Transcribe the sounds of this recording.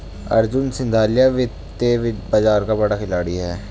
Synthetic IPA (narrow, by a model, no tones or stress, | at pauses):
ɐ̰ɾd͡ʒʊnsɪ̃nd̪ʱaːlijaʋɪ | eʋɪbɐd͡ʒaːɾkabɐɽakʰɪlaːɽiɦɛː